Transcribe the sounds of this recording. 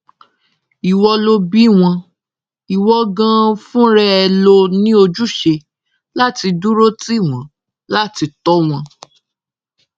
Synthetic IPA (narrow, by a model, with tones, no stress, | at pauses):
i˨wɔ˧lo˧bi˦˨w̃ɔ̃˧ | i˨wɔ˧ɡã˦fũ˦ɾɛ˦ɛ˧lo˧nĩ˦o˧d͡ʒu˦˨ʃe˧ | la˦ti˧du˦ɾo˦ti˦˨w̃ɔ̃˨˦ | la˦˨ti˧tɔ˦w̃ɔ̃˧